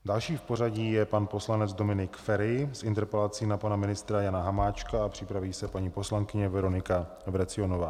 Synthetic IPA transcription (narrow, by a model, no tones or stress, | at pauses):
dalʃiːfporaɟiːjɛpanpo̞slanɛd͡zdo̞mɪnɪkfɛɾɪsʔɪnt̪ɛɾpɛlat͡siːnapanamɪnɪst̪ɾajanaɦamaːt͡ʃkaapr̝̥ɪpɾaviːsɛpaɲiːpo̞slaŋkɪɲɛvɛɾo̞nɪka | vɾɛt͡sɪo̞novaː